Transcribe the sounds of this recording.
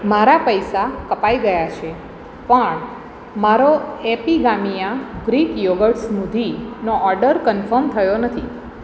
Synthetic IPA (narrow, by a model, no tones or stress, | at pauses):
maɾapəjsakəpaiɡəjat͡ʃʰe | pəɳ | maɾoepiɡamijãɡɾikjoɡəʈsmud̪ʱinoʔɔɾɖəɾkənfəɾmt̪ʰəjonət̪ʰi